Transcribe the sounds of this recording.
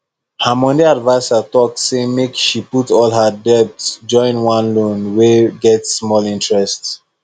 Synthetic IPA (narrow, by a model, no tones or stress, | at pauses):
hamɔ̃ndeadvaɪsatɔk̚tsemekʃiputɔlˠɦədɛp̚td͡ʒɔ̃ɪ̃nwãnlõnweɡɛtsːmɔlĩntɹɛst